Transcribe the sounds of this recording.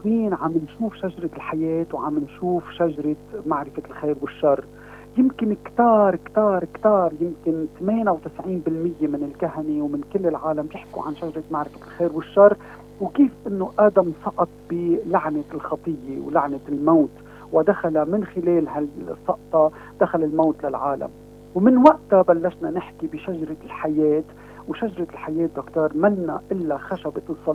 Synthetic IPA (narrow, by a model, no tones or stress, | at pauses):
kwiːnʕamːɪnʃuːfʃaʒɾˤɑlħajeːt̪wʕa̰mːɪnʃuːfʃaʒɑɾˤɪmaʕɾɪfalxeːɾwɪʃːɑrˤː | jɪmkɪnkt̪ɑːɾˤkt̪ɑːɾˤkt̪ɑːɾˤjɪmkɪnt̪meːnawt̪ɪsʕiːnbɪlmɪjːemɪnɪlkahanewmɪnkɪlːɪlʕaːlambjɪħkṵʕa̰nʃaʒɑɾˤɑt̪maʕɾɪfalxeːɾwɪʃːɑrˤː | wkiːfʔɪnːoʔaːd̪amsˤɑʔɑt̪̚ˤbilaʕnɪlxɑt̪ˤɨjːewlaʕnɪlmawt̪ | wɪd̪axalamɪnxɪleːlɦalsˤːɑʔt̪ˤɑ | d̪̥axalɪlmawt̪lalʕaːla̰m | wmɪnwaʔt̪abalːaʃnanɪħkibɪʃaʒɾˤɪlħajeːt̪ | wʃaʒɾˤɪlħajeːt̪̚d̪ʊkt̪oːɾˤmanːaʔɪlːaxaʃabɪɨsˤːɑ